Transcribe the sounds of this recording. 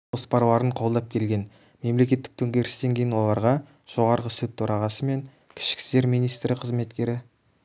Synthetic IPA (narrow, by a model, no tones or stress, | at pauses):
ospɑɾlˠɑɾəɴqʰo̞lˠd̪ɑp̚kʲʰe̞lɡʲe̞n | me̞mle̞kʲe̞t̪ːɪk̚t̪ʰɵŋɡʲe̞ɾɪst̪e̞ŋkʲʰe̞jɪnwo̞lˠɑɾʁɑ | ʒ̥o̞ʁɑɾʁəsɵt̪ʰːɵɾɑʁɑsəme̞ŋ | kʲʰɪ̥ʃkʲɪ̥st̪e̞ɾmijnijst̪ɾɪqʰəzme̞t̪kʲe̞ɾɪ